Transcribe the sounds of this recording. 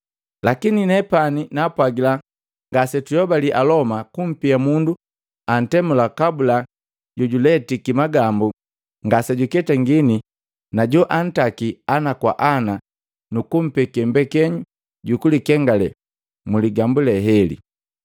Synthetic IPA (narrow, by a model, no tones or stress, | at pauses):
lakininɛpaninapwaɡila | ŋɡasɛtujɔbaliʔalɔmakum̩piamundu | an̩tɛmulakabula | ɟɔɟulɛtikimaɡambu | ŋɡasɛɟukɛtaŋɡini | naɟɔʔan̩takianakwa̰ʔana | nukum̩pɛkɛmbɛkɛɲu | ɟukulikɛŋɡalɛ | muliɡambulɛɦɛlḭ